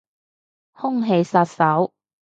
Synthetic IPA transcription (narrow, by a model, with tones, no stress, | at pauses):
hʊ˥ŋɦe˧jsɐ˧t̚sɐ˨˥w